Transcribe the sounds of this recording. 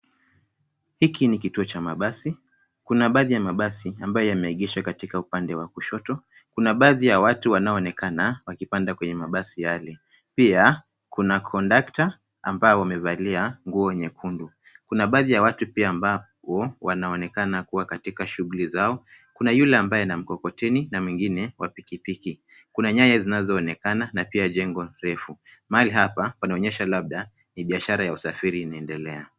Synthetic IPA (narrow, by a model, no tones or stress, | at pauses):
hikinikituɔt͡ʃamaɓasi | kunaɓaːðijamaɓasiambajɔjamɛiɠiʃakatikaupandɛwakuʃɔtɔ | kunaɓaðijawatuwanaɔːnɛkanawakipandakwɛɲɛmaɓasijalɛ | pia | kunakʰɔndakta̰ː | mbaɔwamɛvaliaŋɡuɔɲɛkʰundu | kunaɓaːðijawatupiaːmba | wɔwanaɔnɛkanakuwakatikaʃuɣulizaɔ | kunajulɛambajɛnam̩kɔkɔtɛninamwiŋɡinɛwapikipiki | kunaɲaɲazinazɔːnɛkananapiaʄɛŋɡɔnɾɛfumaaliɦapawanaɔɲɛʃalaɓ̚ɗa | niɓiaʃaɾajausafiɾiːnaɛndɛlɛa